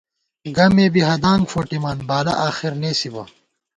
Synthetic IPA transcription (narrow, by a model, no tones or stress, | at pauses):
ɡɐmeːbiɦɐd̪aːŋɡfoʈimaːnbaːlɐ̰ʔaːxiɾneːsibɐ̰